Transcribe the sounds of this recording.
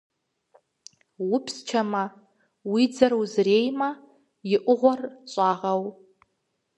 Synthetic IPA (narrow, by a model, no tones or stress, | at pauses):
wʊpʰst͡ʃʰama | wid͡zaɾuzrejma | jɪʔʷʊʁʷart͡ʃʷʼaːʁaw